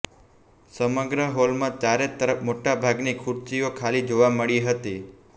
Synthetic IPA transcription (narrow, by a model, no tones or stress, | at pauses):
səməɡɾəɦolmãt͡ʃaɾet̪əɾəpmoʈabʱaɡnikʰuɾt͡ʃiokʰalid͡ʒoʋaməɭiɦət̪i